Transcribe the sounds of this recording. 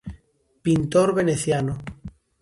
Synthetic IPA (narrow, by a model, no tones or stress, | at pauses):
pint̪oɾβeneθjano